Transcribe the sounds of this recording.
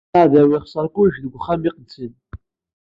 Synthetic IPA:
aʕðæwiχsˤəɾˤkʷuʒðəɡʷχæmiqəd̪sən

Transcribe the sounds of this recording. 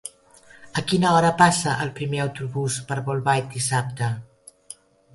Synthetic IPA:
əkinəɔɾəpasəʔəlˠpɾimeəwt̪uβuspəɾβulˠβaj̪d̪isap̚t̪ə

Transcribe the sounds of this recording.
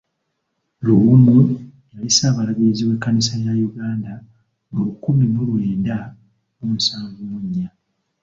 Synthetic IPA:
luːmu | jalisaːβalaβiɾiziβwekːanisajajuɡaːnda | ŋulukuβimulwe̞ːda | umusaːɱvumuɲːa

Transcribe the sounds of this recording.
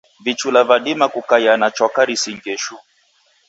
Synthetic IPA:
vit͡ʃulavaɗimakukajanat͡ʃɔkaɾisiŋɡɛʃu

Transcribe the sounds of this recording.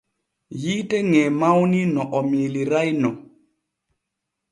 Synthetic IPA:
jitɛŋɛmawninɔʔɔmiliɾajnɔ

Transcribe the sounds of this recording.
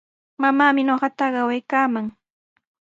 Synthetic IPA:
mamaːmɪnoɢɑt̪ɑɢɑwajkaːmaŋ

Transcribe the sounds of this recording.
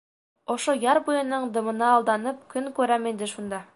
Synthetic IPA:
ŏʃojɑɾbujɤ̆nːɤɴd̪ɤ̆mɤ̆nɑːlˠd̪ɑnɤp̚kɵŋkʉɾæmind̪ɘʃund̪ɑ

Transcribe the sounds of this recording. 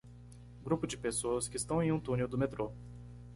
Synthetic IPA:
ɡɾupʊd͡ʒɪpesoɐskɪɪst̪ɐ̃w̃ẽj̃ũt̪ũnewd̪ʊmet̪ɾo

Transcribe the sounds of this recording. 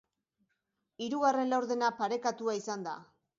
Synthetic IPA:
iɾuɣare̞nlawɾðe̞napaɾe̞kat̪uaisand̪a̰

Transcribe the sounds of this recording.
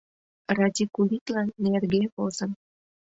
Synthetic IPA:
rɑt̪ʲikuliklɑnːerɡeβozən

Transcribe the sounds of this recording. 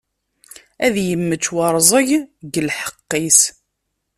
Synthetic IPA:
æðjəmːət͡ʃːwɑɾˤzˤəʝɡəlħə̥qːis

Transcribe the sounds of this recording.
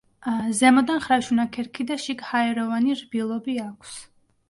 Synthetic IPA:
zɛmɔd̪anχɾaʃunakʰɛɾkʰid̪aʃikhaɛɾɔvaniɾbilˠɔbiakʰs

